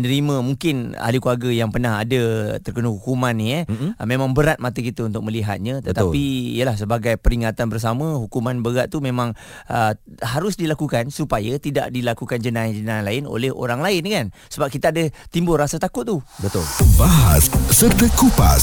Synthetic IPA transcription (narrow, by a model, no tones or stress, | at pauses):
ənəɾimə̃muŋkɪna̰likuaɡajaŋpərnaɦa̰dət̪ərkənəɦukumaniəmẽmãŋbəɾat̪̚mat̪əkit̪aunt̪ʊk̚mə̃liɦa̰t̪̚ɲãt̪ət̪alpiḭjəlahsəbaɡajpəɾiŋat̪anbərs̬amə̃ɦukumanbəɡaʔt̪umẽmãŋ | əɦaɾʊsdilakukansupajat̪ida̰ʔdilakukand͡ʒənad͡ʒənanlaɪno̰lɛho̰ɾaŋlaɪnkansəbap̚kit̪aadət̪imbʊlrːasat̪akʊt̪̚ːubət̪ʊlbaɦassərt̪əkupa